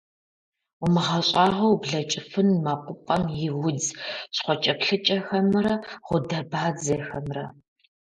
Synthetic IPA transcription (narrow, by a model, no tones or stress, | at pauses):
ʊmɨʁɐɕʼaːʁɐwbɮɐt͡ʃʼɪfɨnmaqʷʊpʼɐmjɪwʊd͡zsχʷɔt͡ʃʼɐpɬɨt͡ʃʼɐxɐmɨɾɐʁʷʊdɐbaːd͡zɐjɛxɐmrɐ